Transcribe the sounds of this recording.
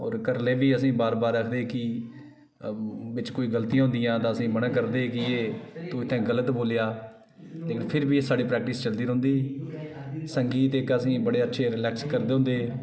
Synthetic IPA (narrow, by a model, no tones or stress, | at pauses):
ɔ̰ːɾkəɾleːbiːəsĩːbaːɾbaːɾːəkʰd̪eːkɪ | ʋɪt͡ʃkoːiːɡəlt̪ijãːʊ̃nd̪ɪjãːt̪ãːəsĩːbəɽãːk̬əɾd̪eːkɪeːt̪uːɪt̪ʰːɛ̃ːɡələt̪boːlejaː | leːkɪnpʰɪɾbiːesaːɽiːpɾɛːk̚ʈɪst͡ʃəld̪iːɾõːnd̪iː | səŋɡiːt̪ɪkːəsĩːbəɽeːətːʃʰeːɾɪlɛːkskəɾd̪eːɦʊ̃nd̪eː